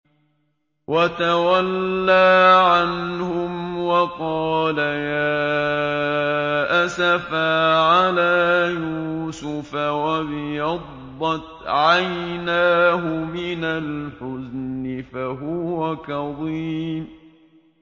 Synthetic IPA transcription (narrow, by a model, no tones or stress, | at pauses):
wʔat̪awalːaːʕanhʊmwɑqɑːlajaː | ʔasafaʕalaːjuːsʊfawabɪjɑd̪ˤ | ɑt̪ʕajnaːɦʊmɪnalħʊznɪfaɦʊwakɑðˤiːm